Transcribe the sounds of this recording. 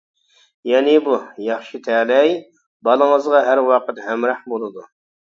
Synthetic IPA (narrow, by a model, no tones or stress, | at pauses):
jɛnɪbujɑχʃit̪ʰɛːlɛj | bɑlˠəŋəzʁɑɦæɾwɑqət̪hæmɾɑhbolˠɨd̪u